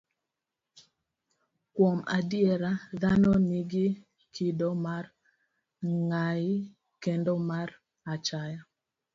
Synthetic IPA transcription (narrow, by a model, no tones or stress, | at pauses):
kwɔmadjeɾaðanɔniɡɪ | kʰidɔmaɾ | ŋai | kendɔmaɾ | at͡ʃaja